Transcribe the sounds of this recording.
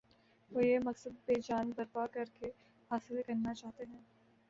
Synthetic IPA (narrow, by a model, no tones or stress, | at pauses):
ʋojemɐksəd̪̚ped͡ʒaːnbɐɾpakɐɾke | haːsɪlkɐɾnat͡ʃaːɦt̪eɦɛ̃ː